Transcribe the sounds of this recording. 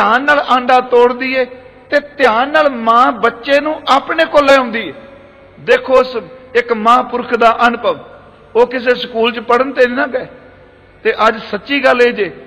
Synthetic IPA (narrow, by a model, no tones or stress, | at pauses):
t̪aːnːaːlãːɳɖaːt̪oːɽd̪iːɛːt̪eːt̪ɪjaːnːaːlmãːbətːʃeːnũːʔaːpɳeːkoːlːẽːɦʊ̃nd̪iːɛː | d̪eːkʰoːsɪkmãːpʊɾkʰd̪aːʔənʊpəʋ | oːkɪs̬eːskuːlt͡ʃpəɽənt̪eːnɪnãːɡɛː | t̪eːʔəd͡ʒsətːʃiːɡəleːd͡ʒeː